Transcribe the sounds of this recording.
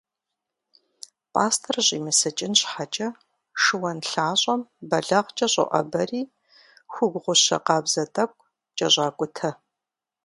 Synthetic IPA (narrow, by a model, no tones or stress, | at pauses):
pʼaːstʰɐrʑiːmɨsɨt͡ʃʼɪnɕħat͡ʃʼɐ | ʂɨwɐnɬaːɕʼɐmbɐɮɐʁt͡ʃʼɐɕʼɐ̰ʔɐ̰bɐriː | xʷʊɡʷʁʷʊɕɐ̰qɑːbz̥ɐtʼɐkʷʼ | t͡ʃʼɐɕʷʼɑːkʷʼʊtʰɐ